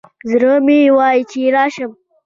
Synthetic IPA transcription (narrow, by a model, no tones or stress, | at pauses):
zɾəmiwɑːjit͡ʃiɾɑːʃəm